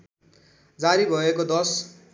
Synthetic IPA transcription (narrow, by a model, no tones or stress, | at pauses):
d͡zaɾibʱʌekod̪ʌs